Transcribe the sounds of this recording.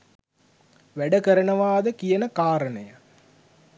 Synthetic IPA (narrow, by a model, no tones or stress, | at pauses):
ʋæɖəkəɾənəʋaːd̪əkijənəkaːɾənəjə